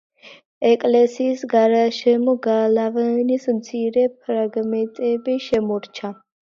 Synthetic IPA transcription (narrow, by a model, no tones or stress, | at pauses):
ɛkʼlɛsiːsɡaɾaʃɛmɔɡalavɛnismt̪sʰiɾɛpʰɾaɡmɛnt̪ʼɛbiʃɛmɔɾt͡ʃʰa